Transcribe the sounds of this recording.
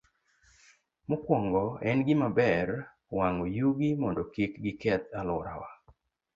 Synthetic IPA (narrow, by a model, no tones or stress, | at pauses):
mokwɔŋɡɔɛnɡɪmabɛr | waŋojuɡimɔndɔkikɡɪkɛt̪alʊɾa̰wa